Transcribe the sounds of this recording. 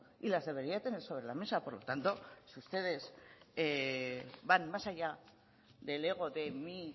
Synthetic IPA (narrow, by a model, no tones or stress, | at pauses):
ilazðe̞β̞e̞ɾiat̪e̞ne̞ɾso̞β̞ɾe̞lame̞sapo̞ɾlo̞t̪ant̪o̞sust̪e̞ð̞e̞z | banmasaʎa | ðe̞le̞ɣ̞o̞ðe̞mi